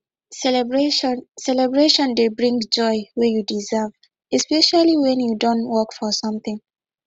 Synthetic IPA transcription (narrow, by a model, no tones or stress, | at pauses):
sɛbɹensɛlɛbɹeʃɔ̃ndebɹĩŋd͡ʒɔɪwejudizav | ɛspɛʃaliwɛ̃njudõntwɔkfɔsʌ̃mθɪ̃ŋ